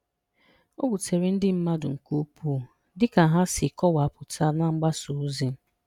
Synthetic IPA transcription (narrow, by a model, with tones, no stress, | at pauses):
o˦bu˨te˨ɾi˦n̩˦dɪ˦m̩˦ma˦dʊ˨ŋ̩˨ku˦pu˦˨ | dɪ˦ka˨ɦa˦sɪ˨kɔ˦wa˨a˦pʊ˨tʰa˦na˦ŋ͡m̩˦ɡ͡ba˦su˨˦zi˨˦